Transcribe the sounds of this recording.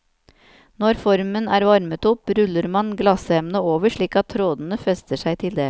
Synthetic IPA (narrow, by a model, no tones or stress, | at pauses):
nɔɾfɔɾmənæːɾʋɑɾmət̪ɔpɾʉlːəɾmɑnɡlɑsɛmnəoːʋəʂɭiːkɑt̪ʰːɾoːd̪n̩əfɛst̪əʂæɪt̪ʰɪld̪eː